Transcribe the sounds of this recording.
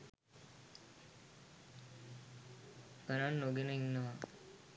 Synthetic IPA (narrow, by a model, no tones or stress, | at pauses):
kənanːoɡenəinːəʋa